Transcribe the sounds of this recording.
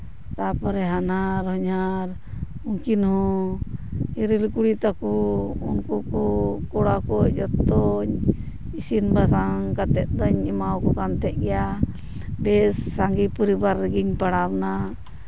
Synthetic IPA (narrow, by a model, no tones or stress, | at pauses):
t̪apɔɾɛɦanaɾɦɔɲaɾ | uŋkinhɔ̃ | iɾilkuɽit̪akɔṵnkɔkɔkɔɽakɔd͡ʒɔt̪ːɔɲ | isinbasaŋkat̪ɛt̪̚d̪əɲimawkɔkant̪ʰɛʔ̚ɡɛja | bɛsːaŋɡipɔɾibaɾːɡiɲpaɽabna